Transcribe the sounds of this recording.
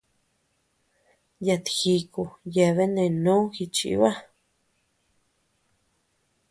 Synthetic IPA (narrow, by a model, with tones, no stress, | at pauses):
ja˧t̪i̥˨xi˧ku˧je˧βe˦nẽ˧˨nũ˦xi˧t͡ʃḭ˧˦βa˦